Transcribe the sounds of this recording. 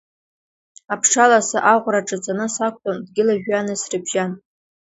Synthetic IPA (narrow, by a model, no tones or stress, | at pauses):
apʰʂalasaʔaʁʷraʈ͡ʂʼɨt͡sʼanɨsakʷʼtʼondɡʲɪlaʒᶣanɨsrɨbʒan